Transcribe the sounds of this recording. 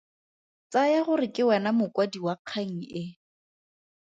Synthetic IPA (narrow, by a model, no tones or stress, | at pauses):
t͡sajaχʊrɪkʼɪwɛnamʊkwadiwaq͡χʰaŋ̩ɪ